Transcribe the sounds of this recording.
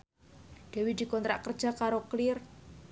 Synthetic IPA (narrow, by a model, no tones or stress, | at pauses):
d̪̥e̤wid̪̥i̤kɔnt̪ɾa̰ʔkərd̥ʒ̥a̤kaɾoklɪr